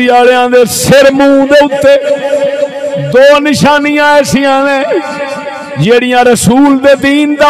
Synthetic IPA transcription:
ɪaːɽjãːd̪eːsɪɾmũːd̪eːʊt̪ːeː | d̪oːnɪʃaːniːãːeːsɪjãːneː | d͡ʒeːɽɪjãːɾəsuːld̪eːd̪iːnd̪a

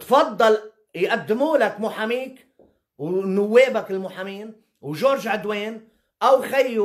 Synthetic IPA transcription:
t̪fɑd̪ˤːɑl | jʔad̪ːɪmuːlakmʊħamiːk | wnʊwːeːbakɪlmʊħamiːn | wʒoːɾʒʕad̪weːn | ʔawxajːu

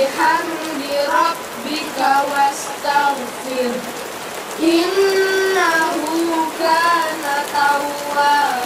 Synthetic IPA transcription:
har | biɾɔb̚ | bikawast̪aŋ | fɪr | ʔɪnːaɦukanat̪au | a

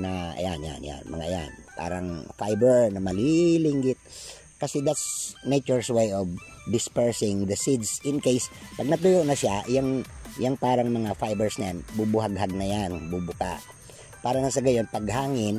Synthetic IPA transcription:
nɐʔɐ̰janja̰nja̰nmɐ̰ŋa̰ʔɐja̰npa̰ːɾɐŋfajbɛɹnɐmɐlilɪŋɡɪt̪̚ | kɐsɛd̪at̪snet͡ʃʊɹswejɔvd̪ɪspɛɹsɪŋd̪ɐsid̪sɪnkejspɐɡ̚nɐt̪ʊjoʔnɐʃaʔjaŋjaŋpaːɾɐŋmɐŋafajbɛɹsnɐjanbubʊhaɡɦaɡ̚nɐjanbubʊkaʔ | paːɾɐnɐsɐɡɐjo̞npɐɡɦaːŋɪn

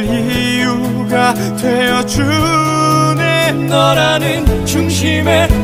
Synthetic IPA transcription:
i | ju | ɡa | dwejʌd͡ʑu | nennʌɾanɯnt͡ɕuŋɕʰime̞

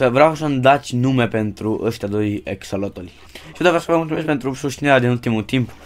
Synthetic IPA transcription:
səvɾeawsəmd̪at̪sʲnume̞pe̞nt̪ɾuʔəʃt̪ʲad̪o̞jḛksolot̪olʲ | i̥ud̪ovɾasəvəmult̪umesk̚pent̪ɾusuʃt̪inieɾʲead̪inult̪imut̪imp

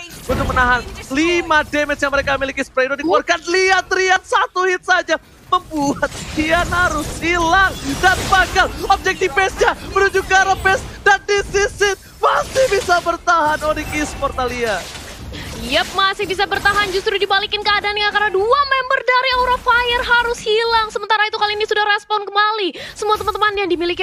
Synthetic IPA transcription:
but̪ʊk̚mənaɦanlimademɛsjaŋməɾekamilikispɾedodikwarkanliat̪ɾiat̪̚sat̪uhɪt̪̚sad͡ʒa | məmbuat̪̚hianaɾʊshilaŋdanbakalɔb̚d͡ʒɛk̚t̪ifɛsɲamənuɲd͡ʒukːaɾəpɛsdandisisɪt̪̚ | masɪhbisabərt̪aɦanonɪkispɔrt̪alia | jəp̚masɪhbis̬abərt̪aɦand͡ʒust̪ɾudibalikɪnkəadaːnkakarnaduamɛmbərdaɾiawɾafajərɦaɾʊshilaŋsəmənt̪aɾait̪ukaliːnisudahrɛspɔnkəmbalisəmuat̪əmant̪əmanjaŋdimilik

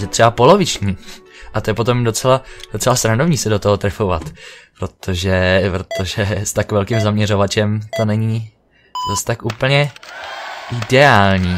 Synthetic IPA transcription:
jɛt̪r̥ɛbapo̞lo̞vɪt͡ʃɲiː | ʔat̪ojɛpo̞t̪o̞mdo̞t͡sɛlad̥o̞t͡sɛlast̪ɾando̞vɲiːsɛdot̪oɦot̪ɾɛfovat̪pɾo̞t̪ʰo̞ʒɛpɾot̪ʰo̞ʒɛst̪akvɛlkimzamɲɛro̞vat͡ʃɛmt̪o̞nɛɲi | zast̪akʔuːpl̩ɲɛ | ʔɪdɛaːlɲiː

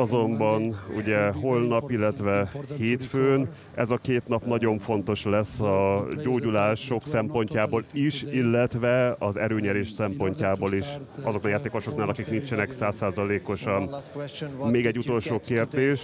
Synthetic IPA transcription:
ɒzo̞mbɒnṵɟɛɦo̞lnɒpilːɛt̪ʋɛheːt̪føːn | ɛzɒkeːt̪n̪ɒpnɒɟo̞ɱfo̞nt̪o̞ʃlɛsːɒɟoːɟulaːʃo̞ksɛmpo̞ɲcaːboːliʃilːɛt̪ʋɛɒzɛɾøːɲɛɾeːʃsɛmpo̞ɲcaːboːliʃɒzoknajaːt̪eːko̞ʃo̞knaːlɒkikniɲt͡ʃɛnɛksaːsːaːzɒleːko̞ʃɒn | meːɡɛɟːut̪o̞lʃoːkeːrd̪eːʃ

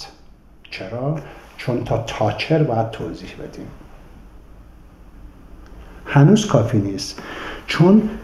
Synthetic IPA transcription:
t͡ʃʰeɾɒːt͡ʃʰont̪ʰɒːt̪ʰɒːt͡ʃʰeɾbɒːjæd̪̥̚t̪ʰoːziːhbe̞̰d̪̥ḭːm | hænuːzkʰɒːfiːniːst̪t͡ʃʰon

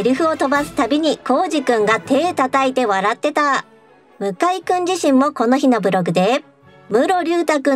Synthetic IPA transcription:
ɾʲɯɸɯ̟o̞t̪o̞basɨ̥t̪abʲiɲ̟iko̞ːʑikɯ̟̃ŋɡat̪e̞ːt̪at̪ait̪e̞βaɾat̪ːe̞t̪a | mɯ̟kaikɯ̟̃ɲ̟d͡ʑiɕĩmmːo̞ko̞no̞çino̞bɯ̟ɾo̞ɡɯ̟d̪e̞ | mɯ̟ɾo̞ɾʲɯːt̪akɯ̟̃

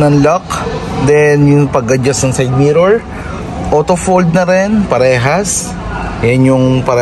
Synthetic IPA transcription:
nɐnlok̚d̪ɛnjʊŋpɐɡɐd͡ʒɐsnɐŋsajd̪̚miːɾoɹ | ʔoːt̪ofold̪̚nɐɾɛnpɐɾɛːɦɐs | jɐnjʊŋpɐɾɛ

